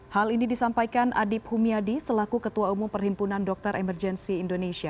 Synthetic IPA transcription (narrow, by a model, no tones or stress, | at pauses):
halinidisampajkanʔa̰dip̚humiadisəlakukət̪uaumumpərhimpunandɔk̚t̪ɔɾʔɛmərd͡ʒɛnsiːndoneʃia